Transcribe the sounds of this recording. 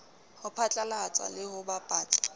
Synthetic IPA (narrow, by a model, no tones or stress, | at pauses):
hʊpʰat͡ɬʼalahat͡sʼa̰lɪhʊbapʼaːt͡sʼḁ